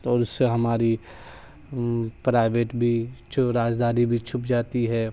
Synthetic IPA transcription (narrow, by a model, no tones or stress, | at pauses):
ɔːɾʊsːeɦɐmaːɾi | pɾaːɪʋeːʈbʱit͡ʃɾaːd͡ʒd̪aːɾibʱit͡ʃʰʊpd͡ʒaːt̪iɦɛː